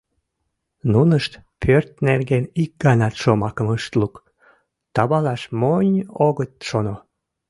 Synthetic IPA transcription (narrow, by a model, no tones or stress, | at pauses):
nunəʃt̪pʰørt̪nerɣenik̚ɡɑnɑt̪ʃomɑkəməʃt̪luk | t̪ɑβɑlɑʃmonʲoɣət̪̚ʃono